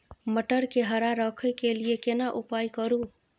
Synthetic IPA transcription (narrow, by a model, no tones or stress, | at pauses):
məʈəɾkeɦəɾaɾəkʰəkeliekenaʔupajkəɾu